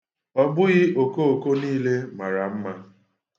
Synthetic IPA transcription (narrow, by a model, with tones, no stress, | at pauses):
ɔ˦bʊ˦ɣɪ˦o˨ko˦o˨ko˦niː˦le˦ma˨ɾa˨m̩˦ma˦